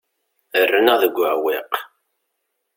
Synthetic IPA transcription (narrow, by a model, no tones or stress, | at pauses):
ərːənəðəɡʷːʕwɪq